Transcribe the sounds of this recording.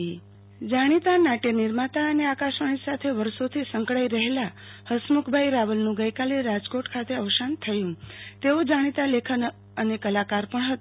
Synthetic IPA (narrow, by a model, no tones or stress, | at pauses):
d͡ʒaɽ̃it̪anaʈeniɾmat̪aəneakaʃəɳ̃isat̪ʰeʋəɾsot̪ʰisə̃ŋkɭaiɾəɦela | həsmukʰbʱajɾaʋəlnũɡəjkaleɾad͡ʒkoʈkʰat̪eəʋsant̪ʰəjũt̪eod͡ʒaɽ̃it̪alekʰən | ənekəlakaɾpəɳɦət̪